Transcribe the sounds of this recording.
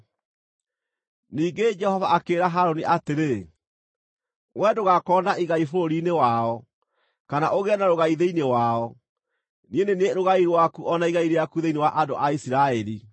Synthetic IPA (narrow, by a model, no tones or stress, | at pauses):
niːŋɡed͡ʒɛhɔvaʔakeːɾaɦaɾoniʔateɾe | wɛdoɣakɔndaiɣaifoɾoɾinewaɔ | kanaʔoɣɛnaɾoɣaiðeinewaɔ | nieneneɾoɣaiɾwakuʔɔnaiɣaiɾejakuðeinewaʔadoʔaisiɾaɛɾi